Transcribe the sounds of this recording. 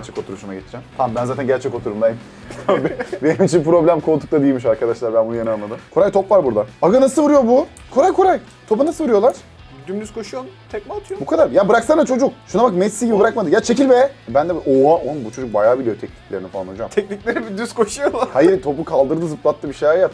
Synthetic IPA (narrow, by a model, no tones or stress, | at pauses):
ɾt͡ʃʰɛko̞t̪uɾuʃumaɟet̪ʰi̥ɾd͡ʒɛmt̪ʰambænzaːt̪ʰænɲɟæɾt͡ʃʰɛko̞t̪ʰuɾumd̪ajimʰ | ambbe̞nimit͡ʃʰinpɾo̞blʲæmkʰo̞t̪ʰu̥kt̪ʰad̪ilʲmiʃaɾkad̪aʃlˠaɾbænbunujenɯanlˠad̪ɯmkʰo̞ɾajt̪ʰo̞pvaɾbuɾd̪aaɡanasɯvɯɾɯjo̞bu | kʰo̞ɾajkʰo̞ɾaj | t̪ʰo̞panasɯvɯɾujo̞lˠaɾ̥ | d̪ymd̪yz̥kʰo̞ʃujonut̪ʰɛkmat̪ʰɯjobukʰad̪aɾjabɯɾaksand̪at͡ʃʰo̞d͡ʒukʃunabakmɛsːiːɟʲibibɯɾakmad̪ɯkjat͡ʃʰecilvɛbænd̪ɛʔoaʔonunbut͡ʃʰo̞d͡ʒuk̚bajaːbilʲijo̞t̪ʰɛcni̥clʲe̞ɾinifalˠanod͡ʒamt̪ʰɛcnicʲlʲeɾibid̪yz̥kʰo̞ʃujolˠhajiɾt̪ʰo̞pukʰalˠd̪ɯɾɯd̪ɯzɯp̚lˠat̪ːɯbiʃeaɾjat